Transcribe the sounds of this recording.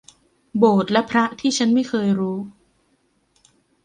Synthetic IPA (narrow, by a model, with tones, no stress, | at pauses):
boː˨˩t̪̚lɛ˦˥pʰɾa˦˥ʔt̪ʰiː˥˩t͡ɕʰa˦˥nma˥˩jxʰɤː˧jɾuː˦˥